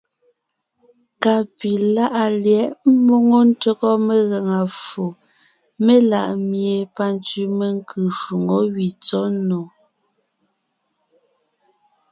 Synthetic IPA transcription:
ka˨pi˨la˦ʔa˨ljɛ˨˦ʔm̩˦mo˦ŋo˦n̩˦tə˦ɣɔ˦me˦ɣa˨ŋa˨fo˨ | me˦la̰˨ʔmje˨pa˦n˦t͡si˦me˦ŋ˦kʰʉ˨ʃu˨ŋo˨˦wi˨t͡sɔ˦no˨

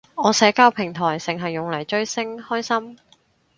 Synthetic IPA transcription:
ɔː˨˧sɛː˨˥kaː˥wpʰɪ˨˩ŋt̪ʰɔː˨˩jsɪ˨ŋɦɐ˨jːʊ˨ŋlɐ˨˩jt͡ʃɵ˧ɥsɪ˥ŋhɔː˥jsɐ˥m

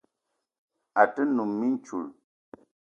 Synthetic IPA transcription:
a˨tə˦nu˨mːi˦n˦t͡ʃṵ˨l

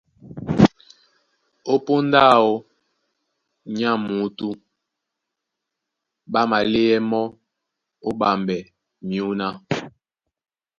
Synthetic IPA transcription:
o˦po˦nda˦o˦ | ɲa˦mu˨˦tu˦ | ba˦ma˨le˦ɛ˦mɔ˦ | o˦ɓa˨mbɛ˨ | mi˨u˦na˦

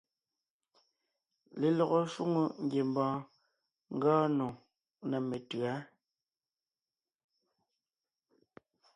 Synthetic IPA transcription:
le˨lɔ˨ɣo˦˨ʃu˦ŋu˦ŋ̩˦ɡje˨mbɔ̃ː˨ | ŋ̩˦ɡɔː˦nõ˨ | nɛ˨me˨tɰa˨˦

